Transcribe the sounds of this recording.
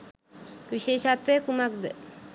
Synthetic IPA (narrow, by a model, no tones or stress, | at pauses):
ʋiʃeːʃat̪ʋejəkumak̚d̪ə